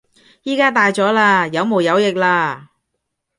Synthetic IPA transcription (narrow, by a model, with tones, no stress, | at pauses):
jiː˥kaː˥t̪aː˨jt͡sɔː˨˥laː˧jɐ˨˧˥wmo˨˩wjɐ˨˧wjɪ˨k̚laː˧